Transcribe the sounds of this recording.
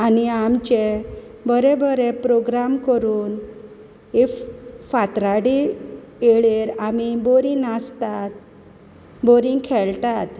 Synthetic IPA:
aniamt͡ɕe | bəɾebəɾepɾoɡɾamkəɾuːn | ɦefat̪ɾaɽi | eɭeɾamiboɾĩnast̪at̪̚ | boɾĩŋkʰeɭt̪at̪

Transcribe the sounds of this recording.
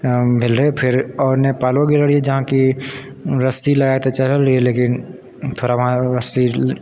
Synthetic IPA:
bʱɪlɾəɦepʰɪɾɔːɾnepaːlõɡiləɽied͡ʒɐɦãki | ɾəsilaːjat̪et͡ʃəlɦəlɾieleːkɪn | t̪ʰoːɾaʋɐɦãɾəsi

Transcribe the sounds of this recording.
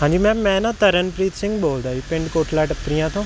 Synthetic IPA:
ɦãːɲd͡ʒiːmɛ̃ːmɛ̃ːnãːt̪əɾənpɾiːt̪sɪ̃ŋɡ̚boːld̪aːiːpɪ̃ɳɖkoːʈʰlaːʈəpɾijãːt̪ʰõː

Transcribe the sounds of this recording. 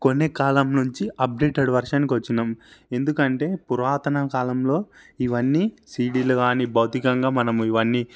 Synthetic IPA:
ko̞nːekaːlɐmnuɲt͡ʃiʔɐp̚ɖe̞ːʈeɽʋɐɾʂaːnik̬iʋɐt͡ʃːinɐːme̞nd̪ukɐɳʈe̞ːpuɾʋaːt̪ɐnɐkaːlɐmlo̞ː | iʋɐnːi | siːɖiːlɐɡaːnibɐwt̪ikɐŋɡaːmɐnɐmuiʋɐnːi

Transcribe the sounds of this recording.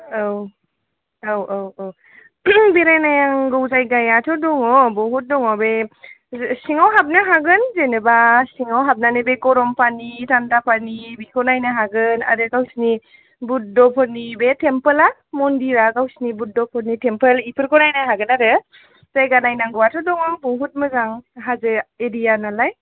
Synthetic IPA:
aw | awaww | biɾajnajaŋɡɯwzajɡajatʰɔdɔŋɔbɔɦut̚dɔŋɔbe | siŋawɦap̚naɦaɡɯnzenɯbasiŋawɦap̚nanɯbeɡɔɾɔmpʰanitʰandapʰanibikʰɔnajnɯɦaɡɯna̰ɾɯkawsni | but̚dɔpʰɔɾnibetʰempəlamɔndiɾakawsnibut̚dɔpʰɔnitʰempəlipʰɯɾkɔnajnaɦaɡɯnaɾɯ | z̥ajɡanajnaŋɡɯwatʰɔdɔŋɔbɔɦut̚mɯzaŋɦazɯeɾijanalaj

